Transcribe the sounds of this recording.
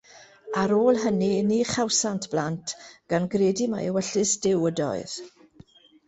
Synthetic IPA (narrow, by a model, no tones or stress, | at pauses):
aɾoːlˠɦəniniχawsantʰb̥lantʰɡ̥anɡreːdima̰jəwɛɬɨsd̥ɪwədɔ̰ɨð̥